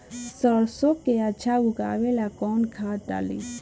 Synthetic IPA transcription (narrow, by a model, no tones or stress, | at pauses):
səɽsokːeat͡ʃʰauka̰ːʋelakɔːnkʰaʈa̰lḭ